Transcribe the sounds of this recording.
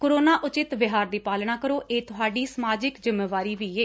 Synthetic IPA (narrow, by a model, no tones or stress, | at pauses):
koɾoːnaːʔʊt͡ʃɪt̪ʋɪɦaːɾd̪iːpaːlɳ̃aːkəɾoːʔeːt̪ʊɦaːɖiːsəmaːd͡ʒɪkzɪmːeːʋaːɾiːʋiːeː